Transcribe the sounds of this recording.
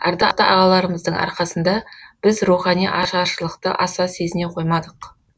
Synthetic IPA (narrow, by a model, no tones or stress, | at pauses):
æ̰ɾd̪ɑt̪ɑ̰ʔɑʁɑlˠɑɾəməzd̪əɴʔɑ̰ɾqɑsənd̪ɑb̥ɪzruχɑnijʔɑʃɑʃəlˠəqt̪ə̰ʔɑsɑse̞zɪne̞qʰo̞jmɑd̪əq